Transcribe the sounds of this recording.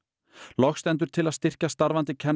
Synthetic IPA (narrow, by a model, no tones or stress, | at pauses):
lɔxst̪ɛnt̪̬ʏɾ̥t̪ʰɪlaðst̪ɪr̥cast̪aɾvant̪ɪcʰɛn